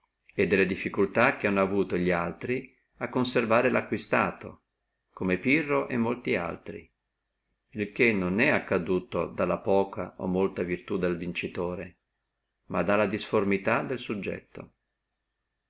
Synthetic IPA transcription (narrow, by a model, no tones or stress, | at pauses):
ed̪ːelːed̪ifːikult̪ak̟eanːoavuːt̪oʎialt̪ɾi | akːonservaːɾelakːwist̪aːt̪o̰ | komepirːoʔemːolt̪ia̰lt̪ɾḭ | ilkenːonɛakːad̪uːt̪od̪alːapɔːka̰ʔo̰mːolt̪avirt̪ud̪elvint͡ʃit̪oːɾe | mʔad̪alːad̪isformit̪ad̪elsud͡ʒːɛ̰t̪ːo̰